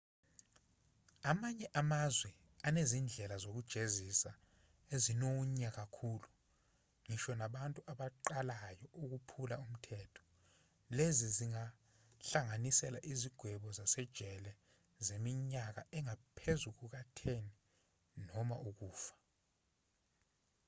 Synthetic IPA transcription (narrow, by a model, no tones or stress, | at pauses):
amaɲɛʔamazwɛ | anezind͡ɮʱɛlazok̬ud̥ʒ̥ʱezisa | ezinoɲak̬akʰulu | ŋiʃɔnaɓantʼuʔaɓaǃalajɔʔuk̬upʰulaum̩tʰɛːtʰɔ̥ | leziziŋa | ɬaŋanisɛla̰ʔiziɡ̥ʱwɛɓɔzasɛd̥ʒ̥ʱɛlɛ | zemiɲak̬a̰ɛŋapʰezuk̬uk̬atʰeni | nɔma̰ʔuk̬uːfḁ